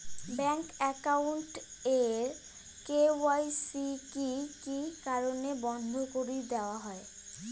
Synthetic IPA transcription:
bɛŋkɛkawɳʈeɾ | kewajsikikikaɾonebɔnd̪ʱokoɾid̪eoaɦɔe

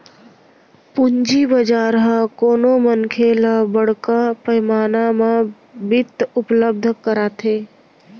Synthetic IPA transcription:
pʊɲd͡ʒibəd͡ʒaːɾɦãkoːnomənkʰelabəɽ̤kapəjmaːnamã | bɪt̪ːʊpləb̚d̪ʱkəɾaːt̪ʰeː

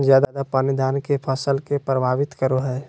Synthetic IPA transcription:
zjaːd̪ad̪apaːnid̪aːnkepʰəsəlkepɾəbʱaːʋɪt̪kəɾoɦɛː

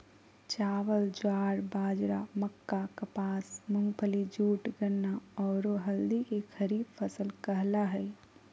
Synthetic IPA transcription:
t͡ʃaːʋəld͡ʒwaːɾbaːd͡ʒɾaməkːakɐpaːsmʊ̃ŋɡpʰəlid͡ʒuːʈɡənːaɔːɾoɦɐld̪ikekxʰəɾiːbfʰəsəlkɐɦlaɦɛː

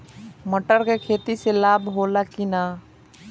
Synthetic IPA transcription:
məʈəɾkekʰeːt̪iselaːbɦoːlakinaː

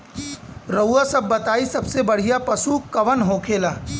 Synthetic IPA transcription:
ɾɐuasɐbːɐt̪aːisɐbsebɐɽ̤ijapɐsukɐʋənɦõːkʰeːlaː

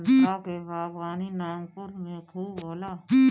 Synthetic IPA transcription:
naːkebaːfɣaːninaːmkʊɾmẽtʰuːboːlaː

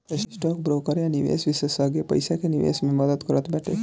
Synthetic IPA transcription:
essʈɔːk̚bɾoːkəɾjaniʋḛːsʋisesəɡepə̰jsakeniʋḛːsmeməd̪əd̪kəɾət̪bɛʈʰe

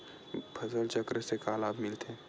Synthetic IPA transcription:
bʰʱɐzəlt͡ʃɐkɾəsekaːlaːbmɪlt̪ʰeː

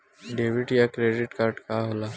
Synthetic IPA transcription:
ɖeʋiʈjakɾeɖiʈkaːɾɖkaɦolaː

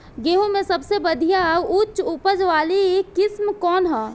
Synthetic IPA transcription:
ɡeːɦõmẽsɐbsebəd̪ʱijaʊt͡ʃʊpəd͡ʒʋaːlikɪsmkɔːnɦɛ̃ː

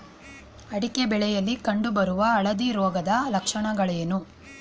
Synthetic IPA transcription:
ɐɽikebɛɭɛjɐlːikɐɳɖubɐɾuʋɐːɭɐd̪iɾɔːɡɐd̪ɐlɐkʂɐɳɐɡɐɭɐjenu

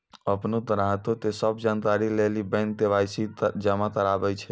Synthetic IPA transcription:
əpnot̪əɾaɦt̪ot̪esəbd͡ʒank̪aɾilelibɛ̃n̚d̪eʋajsid͡ʒəmat̪əɾabɛt͡ʃʰɛ

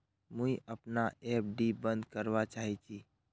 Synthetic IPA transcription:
mũiəpnaep̚ɖibə̃nd̪kəɾʋat͡ʃaɦit͡ʃʰi

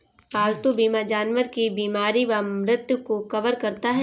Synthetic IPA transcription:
ʋaːlt̪ubiːmad͡ʒaːnʋəɾkibiːmaːɾiʋamɾɪt̪jəkokɐʋəɾkɐɾt̪aɦɛ

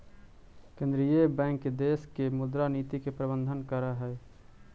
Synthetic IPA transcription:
kẽːnd̪ɾijebɛ̃ːŋkd̪eːskemʊd̪ɾaniːt̪ikepɾəbə̃nd̪ʱənkəɾaɦɛː

